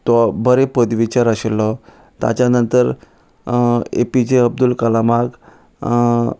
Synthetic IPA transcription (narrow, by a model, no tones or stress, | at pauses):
t̪ɔbəɾepəd̪ʋit͡ɕaɾəɕelːɔ | t̪a̰t͡ɕjanənt̪əɾ | ḛpid͡ʑeəb̚d̪ulkəlamak